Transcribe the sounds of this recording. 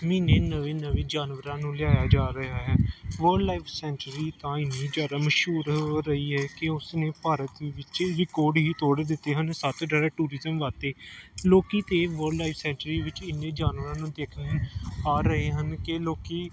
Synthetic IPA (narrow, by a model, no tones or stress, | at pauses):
miːneːnəʋẽːnəʋẽːd͡ʒaːnʋəɾãːnũːlɪaːjaːd͡ʒaːɾəɦaːɦɛːʋəɾɖlaːɪpʰsɛːɳʈɾiːt̪ãːɪnːiːd͡ʒaːɾaːməʃuːɾɾəɦiːɦɛːkɪʊsneːpaːɾət̪ʋɪt͡ʃɾɪkoːɾɖɦiːt̪oːɽd̪ɪt̪ːeːɦənsət̪ɖaːɾɛːʈuːɾɪzəmʋaːt̪eːloːkiːt̪eːʋəɾɖlaɪpsɛ̃ːɳʈɾiːʋɪt͡ʃɪnːẽːd͡ʒaːnʋəɾãːnũːd̪eːkʰnːaːɾəɦeːɦənkeloːkiː